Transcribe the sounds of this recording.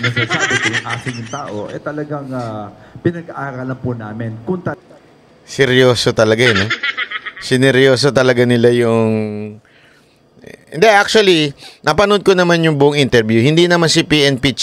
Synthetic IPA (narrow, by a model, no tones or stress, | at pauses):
nɐɡsɐsaːbɛk̪ʊjʊŋʔaːsɪŋjʊŋt̪aːʔoʔɛ̰t̪ɐlɐɡaŋapɪnɐɡɐʔaːɾɐlɐŋpʊnaːmɪnkʊŋt̪ɐ | sɛɾjoːsot̪ɐlɐɡaɛno | sɪnɛɾjo̞ːs̬ot̪ɐlɐɡanɪlajʊŋ | ɪ̰nd̪ɛʔak̚t͡ʃʊɐlinɐpɐnod̪̚konɐmanjʊŋbʊʔʊŋʔɪnt̪ɛɾbjuhɪnd̪inɐmansɪpiʔɛnpit͡ʃ